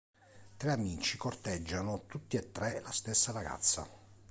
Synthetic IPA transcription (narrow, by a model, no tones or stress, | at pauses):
t̪ɾeamiːt͡ʃikort̪ɛd͡ʒːanot̪ut̪ːiet̪ːɾɛlast̪esːaraɡa̰t̪sːa̰